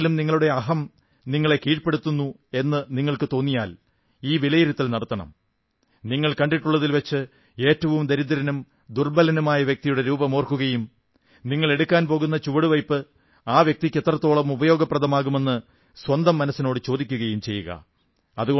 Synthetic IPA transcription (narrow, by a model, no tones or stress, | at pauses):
lumniŋːɐɭuɽe̞ɐɦɐm | niŋːɐɭe̞kiːʈpe̞ɽut̪ːunːu | e̞nːɨniŋːɐɭkɨt̪o̞ːnːijaːl | iːʋilɐjiɾut̪ːilnɐɽɐt̪ːɐɳɐ̰m | niŋːɐɭkɐɳɖiʈːuɭːɐðilʋɐt͡ɕːɨ | e̞ːtːɐʋumd̪ɐɾid̪ːɐɾɐnum | d̪urbɐlɐnumaːjɐʋjɐk̚t̪ijuɽe̞ɾuːbɐmo̞ːrkuɣɐjum | niŋːɐɭe̞ɽukʲːaːnpo̞ːɣunːɐt͡ɕuʋɐɽuʋɐjpːɨ | aːʋjɐk̚t̪ikʲːet̪ːrɐt̪ːo̞ːɭɐmubɐjo̞ːɡɐpːrɐðɐmaːɣume̞nːɨ | swɐnd̪ɐmːɐnɐsːinoːɽɨt͡ɕo̞ːd̪ikʲːuɣɐjumt͡ɕe̞jːuɣɐ̰ | ɐðuɣo